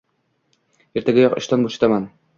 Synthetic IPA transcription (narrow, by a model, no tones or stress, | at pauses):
iɾt̪æɡɘjɒqŏɕt̪ɑnbuɕɤ̥̆t̪ɑmɑn